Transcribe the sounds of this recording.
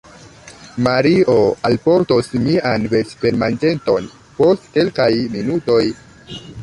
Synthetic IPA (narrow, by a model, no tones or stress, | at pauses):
maɾio̞alpo̞ɾtosmianve̞t͡ʃpe̞ɾmand͡ʒe̞nto̞n | po̞stke̞lkajminuto̞j